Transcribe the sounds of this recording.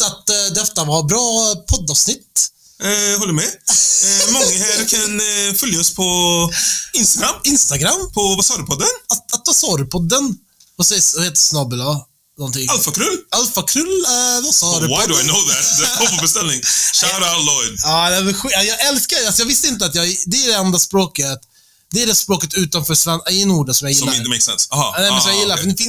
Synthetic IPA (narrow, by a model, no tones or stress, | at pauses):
at̪d̪ɛɛt̪ːavaɾbɾɑːpʰɔd̪ːɑvsnɪt̪ː | hɔlːəɾmɛ | mɔŋːəhæɾkʰanfœljaɔspʰɔ | ɪnst̪aɡɾamːɪnst̪aɡɾamːpʰɔbasɑːɾəpʰɔd̪ːənat̪at̪̚basɑːɾəpʰɔd̪ːən | vasɛjsvaheːt̪ːəsnɑːbəla | nɔnt̪ɪŋalfakʰɾʉlːalfakʰɾʉlːɛvasɑːdʉwadajnoʊðæt̪ɔɔbɛst̪ɛlnɪŋʃaɾalɔɪd̪aːd̪ɛvɛɧajɑːɡɛlskaasɔjɑɡvɪst̪əɪnt̪̬əat̪jɑɡd̪ɛæɖɛɛnd̪ɾaspɾoːkət̪ | d̪ɛːɖɛspɾoːkət̪ʉ̟ːt̪anfœːʂanaɛnuːɖasɔmjajɪlːameɪksɛ̰nsaɦɑ̰nɛmɛnsɔmjajɪlːaɾfɔnɛfɪ